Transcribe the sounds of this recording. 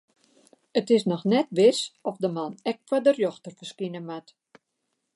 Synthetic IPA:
ətɪsnɔxnɛtʋɪsɔfdəmanɛk̚kwadərjɔxtərfərskinəmat

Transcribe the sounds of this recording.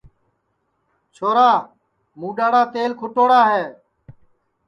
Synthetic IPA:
t͡ʃʰoːɾaː | mũːɗaːɽaːt̪eːlkʰʊʈoːɽaːɦeː

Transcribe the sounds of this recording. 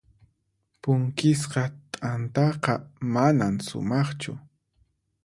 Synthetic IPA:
pʊŋkɪs̬qɑt̪ʼant̪ɑqɑmanamsʊ̰mɑχt͡ʃʊ̰

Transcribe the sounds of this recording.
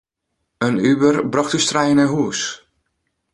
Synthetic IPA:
ənybərbrɑxtystrɛjənɛɦuəs

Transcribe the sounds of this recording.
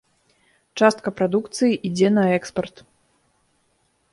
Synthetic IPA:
t͡ʂast̪̚kɐpɾad̪ukt̪sɨjiʔid͡zʲɛnɐɛkspɐrt̪

